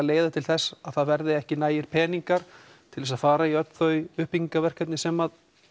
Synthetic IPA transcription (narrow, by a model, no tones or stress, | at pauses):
leːjðat̪ʰɪlθɛsːaðθaðvɛɾðɪɛhcɪnaːjɪɾ̥pʰɛːniŋkaɾ̥ | t̪ʰɪlvɛsaðfaːɾaiœt̪nθœɥʏhpiŋkavɛr̥kœt̪nɪsɛmað